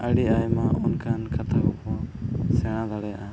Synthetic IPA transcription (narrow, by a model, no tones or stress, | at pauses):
əɽiʔajmaʔunkʰankʰat̪ʰabɔkɔsɛɽ̃ad̪aɽɛjaʔa